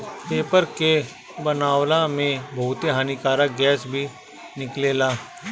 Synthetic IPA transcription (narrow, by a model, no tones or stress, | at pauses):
peːpəɾke | bənaːwlamẽbʱoːʊt̪eɦaːnikaːɾaɡɛːsbʱi | nɪkleːlaː